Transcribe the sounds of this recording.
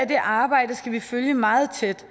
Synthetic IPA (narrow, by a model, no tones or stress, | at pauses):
æd̥e̝ʔɑ̈ːb̥ɑ̈ɪ̰dəsɡ̥æʋiføljəmɑ̈ːð̞̩ˠt͡sʰed̥